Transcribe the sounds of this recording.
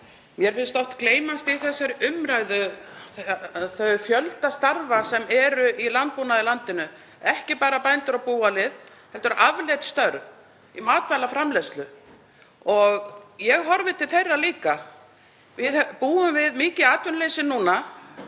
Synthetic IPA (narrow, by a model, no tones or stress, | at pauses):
mjɛɾ̥fɪlst̪ɔht̪kleːjmast̪iθɛsːaɾʏmɾaːjðʏθθœfjœlt̪ast̪aɾvasɛmɛɾʏʔilant̪̚puːnaðɪlant̪ɪnʏ | ɛhcɪpaːɾapajnt̪ʏɾapuːalɪð | hɛnt̪ʏɾʔavlɛt̪st̪œɾv | imaːt̪valafɾamlɛst̪lʏ | ɔɣjɛɣɦɔɾvɪt̪ʰɪlθejrːaliːka | vɪðpuːʏmvɪðmiːcɪaːt̪ʏnlejsɪnːuːna